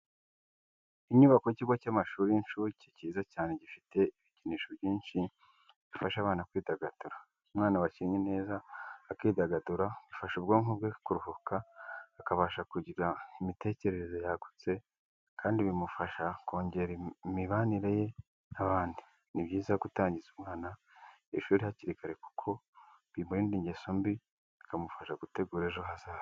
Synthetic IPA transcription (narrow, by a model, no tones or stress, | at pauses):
iɲuβako̞jiciɡocamaʃuːɾinʃuciciːzacaːne̞ɟifite̞iβiciniːʃo̞bjiːnʃi | βifaʃaβaːnakwiːdaɡad̥uɾa | umŋaːnawaʃiɲene̞ːzaːkiːdaɡaduɾaβufaʃobɡoːŋubɡekuɾuhukʰaːkaβaʃakuɟiɡaimite̞ːce̞ɾe̞ɾezo̞jaɡu̥t͡se̞ | kʰaːndiβimufaʃako̞ːɲɟe̞ɾimiβaniɾeje̞ | naβaːndi | niβɟiːzaɡutaːɲɟizumŋaːna | ḛʃuːɾihaciɾikaɾe̞ku̥kʰo̞ | βiːmbojiːndiɲɟeso̞mbi | ikamufaʃaɡute̞ɡuːɾe̞ʒoɦazaː